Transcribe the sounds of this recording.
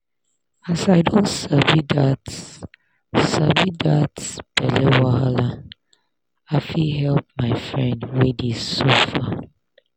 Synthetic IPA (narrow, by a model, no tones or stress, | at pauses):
asaɪdõntsavidats | savidatsb̥ɛlɛwahala | aɪfiɦɛlp̚maɪfɹɛ̃ndwedisofa